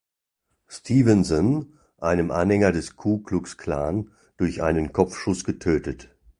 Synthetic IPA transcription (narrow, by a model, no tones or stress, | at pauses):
stʰiːvənsən | ʔaɪnəmʔa̰nhɛŋɐdɛskʰuːklʊkskʰl̥a̰ːn | d̥ʊɐçʔa̰ɪnənkʰɔp͡fʃʊsɡ̥ətʰøːtət